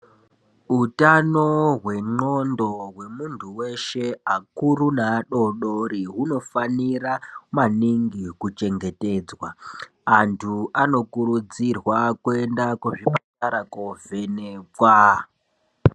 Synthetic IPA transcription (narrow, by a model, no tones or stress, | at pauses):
ɦutanoɦwe̞ŋ͡ǃondo̞ɦwe̞muntʰuwe̞ʃe̞akurunaɗo̞ɗoɾiɦuno̞faniɾamaniŋɡikut͡ʃe̞ŋɡe̞te̞ːd͡zwaː | ntʰuʔano̞kuɾud͡zirwakue̞ndakuʐipataɾakove̞nekwa